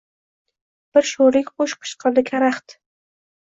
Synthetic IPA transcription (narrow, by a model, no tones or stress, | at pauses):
b̥ɪɾʃoɾlɪkʲqoʃqʰɨ̥ʃqʰɨɾd̪ɪkʲʰaɾaχt̪